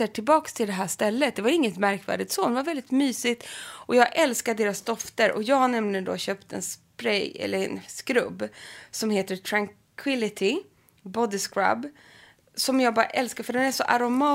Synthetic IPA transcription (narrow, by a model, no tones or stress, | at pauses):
əʈʰɪlbɑːkst̪ʰɪld̪ɛɦæːʂt̪ɛlːət̪̚d̪ɛvaɾɪŋːət̪mæɾkvæ̰ːɖɪt̪soːd̪ɛnvaɾvɛld̪ɪt̪myːsɪt̪ʔɔjɑːɡʔɛlskad̪eːɾasd̪ɔft̪əɾʔɔ̰jɑːɡhaɳɛmlɪɡənd̪o̰ːɕœpt̪ɛ̰nspɾɛjɛ̰lːəɾɛ̰nskɾɵ̰bːsɔmheːt̪əʈ̪ʰɾaŋ | kʰwɪlɪt̪ʰɪ | bɔd̪ɪskɾa̰b | sɔmjɑːɡ̚bɑːɾa̰ʔɛlskafœɖɛnæʂɔʔaɾʊmɑː